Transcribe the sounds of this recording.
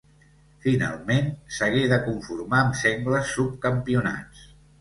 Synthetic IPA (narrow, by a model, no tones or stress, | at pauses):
fina̰lˠmensəɣeðəkuɱfuɾmaəmsɛŋɡləsːup̚kəmpiuna̰t͡s